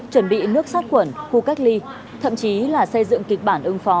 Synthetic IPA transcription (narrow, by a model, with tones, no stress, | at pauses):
t͡ɕwə˧˩nɓḭ˧˨nɨ˦˥ək̚saː˦˥t̚kwə˧˩nxu˧kaː˦˥k̚li˧ | t̪ʰə̰˧˨mt͡ɕi˨˦laː˨˩sə˧jzɨ̰˧˨ŋki˨˩k̟̚ɓaː˧˩nʔɨ˨˧ŋfɔ˨˦